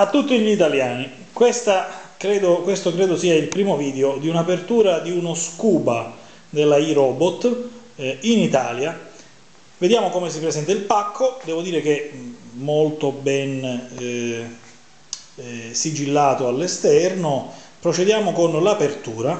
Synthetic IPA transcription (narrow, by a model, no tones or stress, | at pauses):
at̪ːut̪ːiʎit̪aljaːni | kwest̪akɾɛːd̪okwest̪okɾeːd̪osiːailpɾiːmoviːd̪eod̪iunapert̪uːɾad̪iunoskuːba | d̪elːaiɾɔːbot̪ː | init̪aːlja | ved̪jaːmokomesipɾesɛnt̪ailpakʰːod̪ɛːvod̪iːɾek̟ | molt̪obɛn | sid͡ʒilːaːt̪oalːest̪ɛrnopɾot͡ʃed̪jaːmokonlapert̪uːɾa